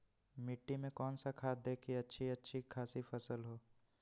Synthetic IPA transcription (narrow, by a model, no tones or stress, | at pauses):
mɪʈːimẽkɔːnsakʰaːd̪ʱeːkʰiɐtːʃʰiɐtːʃʰikʰaːsifɐsəlɦoː